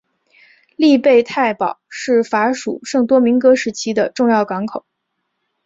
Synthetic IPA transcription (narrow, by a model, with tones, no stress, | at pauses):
li˥˧pe˥˧ɪt̪ʰa˥˩ɪpɑ˨˩˦ʊʂɻ̩˥˩fa˧˥ʂṵ˨˩ʂɤ˥˩ŋt̪wɔ˥mi˧˥ŋkɤ˥ʂɻ̩˧˥˩t͡ɕʰi˥d̪ə˨ʈ͡ʂʊ˥˧ŋjɑ˥˩ʊkɑ˧˥ŋkʰo˨˩˦